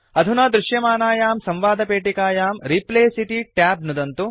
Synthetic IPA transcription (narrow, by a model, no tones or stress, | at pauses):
ɐd̪ʱunaːd̪ɾuʃjɐmaːnaːjaːmsɐmʋaːd̪ʱɐpeːʈikaːjaːmɾipleːsiʈiʈaːbnud̪ɐnt̪u